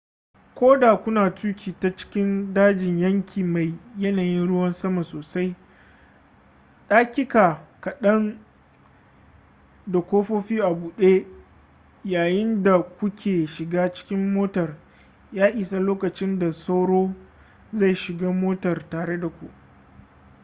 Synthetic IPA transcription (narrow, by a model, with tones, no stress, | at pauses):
kʷoː˦da˨kʷʊ˦naː˨tuː˦kʲiː˨ta˨t͡ʃɪ̥˦kʲɪ˦ndaː˦d͡ʒɪ˨ɲjɐ˦ŋkʲiː˨ma˨jjɐ˦naː˨jɪ˦nɽʊ˦wɐ˦nsɐ˦ma˨soː˨sa˦j | ɗaː˦kʲɪ˦kaː˨kɐ˨ɗɐ˦n | da˨kʷoː˦ɸoː˦ɸiː˦ʔa˨buː˨ɗe˦ | jaː˨jɪ˦nda˨kʷʊ˦kʲʰeː˨ʃɪ˨ɡaː˦t͡ʃɪ̥˦kʲɪ˦mːoː˦tɐ˨r | jaː˦ʔiː˨sa˦loː˦kɐ˨t͡ʃɪ˦nda˨sa˦wɽoː˦ | za˦˨jʃɪ˨ɡaː˦moː˦tɐ˨rtaː˨ɽe˦da˨kʷṵ˨ʔ